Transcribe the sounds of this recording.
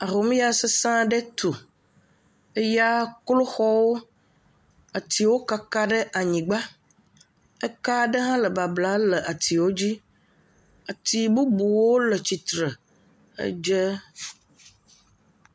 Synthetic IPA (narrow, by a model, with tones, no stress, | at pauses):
a˨ɦo˨mĩ˦ja˨sə˦sã˦ɖə˦t̪ʰu˨ | ə˦ja˦klo˦xɔ˦wo˦ | a˨t̪i˨wo˦ka˦ka˦ɖə˦ʔa˨ɲĩ˨ɡ͡ba˦ | ə˦ka˦ɖə˦ɦã˦lə˨ba˨bla˦lə˨ʔa˨t̪i˨wo˦d͡ʑi˦ | a˨t̪i˨bu˦bu˨wo˦lə˨t͡ɕi˨t̪ɾə˨ | ə̰˦d͡ʒə˦